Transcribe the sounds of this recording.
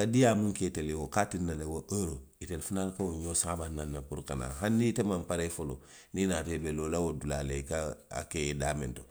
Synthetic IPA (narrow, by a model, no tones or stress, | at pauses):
kadiamũŋketelewokatinːalewoʔeɾoitelfunalkauɲjosãbanːanːapuɾkana̰ɦanːitemampaɾefolo̰ | ninaːtebelolawodula̰ːlekaa̰kedaːmẽnto